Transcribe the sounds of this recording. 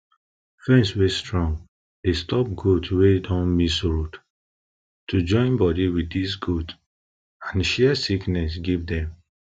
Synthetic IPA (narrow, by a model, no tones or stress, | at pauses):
fɛ̃nswestɹɔ̃ŋɡ | d̥estɔp̚ɡudwedɔ̃nmisɹud | tud͡ʒɔ̃ɪ̃nbɔdiwiddisɡud | ãnʃɛsiknɛs̬ɡivdɛ̃m